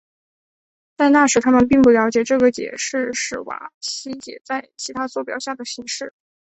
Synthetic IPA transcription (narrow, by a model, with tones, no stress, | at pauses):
t͡sa˥˧ɪna˥˩ʂɻ̩˧˥t̪ʰa˥mə˨np̬i˥˩ŋp̬u˥˩ljɑ˧˥ʊt͡ɕjɛ˨˩ʈ͡ʂɤ˥˩ɡə˩t͡ɕjɛ̰˨˩ʂɻ̩˥˩ʂɻ̩˥˩wa̰˧˥ɕi˧˥t͡ɕjɛ̰˨˩t͡sa˥˩ɪt͡ɕʰi˧˥t̪ʰa˥t͡swɔ˥˩p̬jɑ˨˩ʊɕja˥˩d̪ə˩ɕi˧˥ŋʂɻ̩˥˩